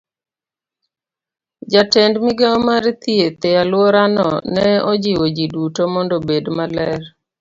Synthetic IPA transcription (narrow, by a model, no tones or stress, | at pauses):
d͡ʒatɛndmiɡaɔmaɾt̪iet̪ɛalwɔɾanɔ̰nɛɔd͡ʒiwod͡ʒidutomɔndɔbedmalɛr